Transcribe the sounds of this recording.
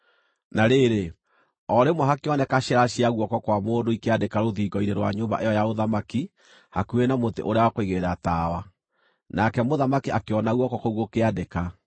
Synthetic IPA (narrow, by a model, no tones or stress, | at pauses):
naɾeɾe | ɔɾemwaɦakeɔnɛkaʃɛɾaʃiaɣwɔkɔkwamoːndoikeadekaɾoðiːɡɔiɾeɾwa̰ɲoːmba̰ʔejɔjaoðamaki | hakuenamotḛʔoɾeawakoiɣeɾataːwa | nakɛmoðamakiakeɔnaɣwɔkɔkoɣokeadeka